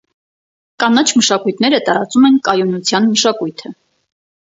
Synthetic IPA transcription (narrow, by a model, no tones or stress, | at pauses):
kɑnɑt͡ʃʰməʃɑkujt̪ʰnɛɾət̪ɑɾɑt͡sumɛnkɑjunut͡sʰjɑnməʃɑkujt̪ʰə